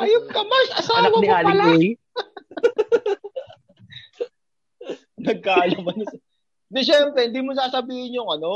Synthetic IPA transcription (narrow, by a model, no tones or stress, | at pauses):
ʔɐjok̚kɐmasʔɐsaːnɐwɐnɪʔaːlɐlɛj | nɐɡ̚kaːjomɐn | d̪ɛʃɛmpɾɛhɪnd̪iːmos̬aːsɐbiːhɪɲjʊŋɐno̞